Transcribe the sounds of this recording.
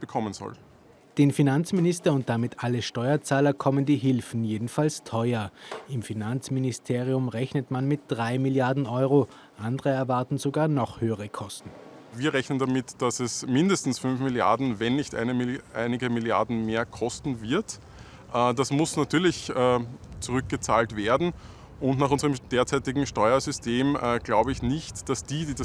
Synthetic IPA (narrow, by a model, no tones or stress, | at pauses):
b̥əkʰɔmənz̥ɔ̰l | d̥eːnfinant͡smɪnɪstɐʊnt̚d̥amɪtʰʔaləʃtɔʏɐt͡saːlɐkʰɔməndiːɦɪlfn̩jeːdn̩falstʰɔʏɐɪmfinant͡smɪnɪstʰeːʁiʊmʁɛçnətmanmɪt̚d̥ʁaɪmɪljaɐdn̩ʔɔʏʁo | ʔandəʁəɛɐvaɐtn̩zoɡaːɐnɔχhøːəʁəkʰɔstn̩ | viːɐʁɛçnəndamɪtd̥asɛsmɪndəstn̩sfʏnfmɪlja̰ɐdn̩vɛnːɪçtʔæ̰ɪnəiʔæ̰ɪnɪɡəmɪlja̰ɐdn̩meːɐkʰɔstn̩vɪɐt | ʔɛːdasmʊsnatyːɐlɪçɛːt͡suʁʏk̚ɡ̥ət͡saːltv̥eːɐdn̩ | ʔʊntnaːχʊnzəʁəmd̥eːɐt͡sæɪtɪɡŋ̩ʃtɔʏɐzʏstʰeːmːɡ̥laʊbəɪçnɪçtd̥asd̥iːdiːda